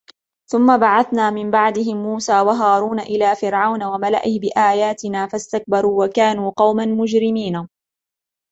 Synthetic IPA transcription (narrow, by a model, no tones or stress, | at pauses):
θʊmːabaʕaθnaːmɪmbaʕd̪ɪɦɪmːuːsaːwaɦaːɾuːnaʔɪlaːfɪɾʕawnawamala̰ʔɪhbɪʔaːjaːt̪ɪnaːfast̪ak̚bɑɾˤuːwakaːnuːqɑwmanmʊd͡ʒɾɪmiːna